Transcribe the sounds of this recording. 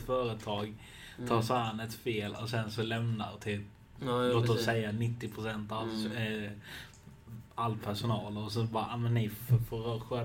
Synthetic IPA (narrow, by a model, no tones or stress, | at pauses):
t̪fœːɾət̪ʰɑːɡ | t̪ʰɑːʂaːanɛt̪feːlɔsɛnsɔlɛmnaɾt̪ʰɪl | loːt̪əɾɔsɛjːanɪt̪ːɪpʰɾʊsɛnt̪a | alpʰæʂʊnɑːləɔsɛnsɔbɑːɾaʔamɛnːɪffɔɾœːɧɛ